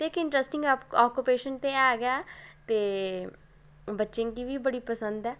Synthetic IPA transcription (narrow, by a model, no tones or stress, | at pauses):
t̪eːɪkɪɳʈɾɛsʈɪ̃ŋɡɔːkːʊpeːʃənt̪eaːɡaːt̪eː | bətːʃẽːŋkiʋiːbəɽipəsə̃nd̪ɛː